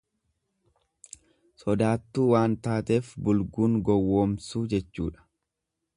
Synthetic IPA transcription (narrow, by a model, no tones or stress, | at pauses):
sɔd̪aːt̪ːuːwaːnt̪aːt̪e̞ːfbʊlɡuːŋɡɔwːoːmsuːd͡ʒɛt͡ʃːuːᶑɐ̥